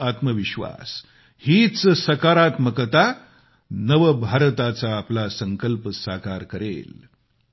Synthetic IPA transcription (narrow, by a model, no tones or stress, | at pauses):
at̪məʋiɕʋa̰s | hiːt͡ssəkaɾat̪məkət̪a | nəʋəbʱaɾt̪at͡saːplasəŋkəlpəsakaɾkəɾḛl